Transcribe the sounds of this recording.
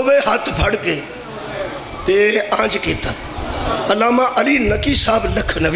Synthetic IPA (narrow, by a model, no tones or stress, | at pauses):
ʋeːɦɐt̪ʰbʱɐɽkeː | t̪eːãːd͡ʒkẽːt̪ə | ɐlaːmãːʔɐliːnɐkiːsaːblɐkʰnɐʋ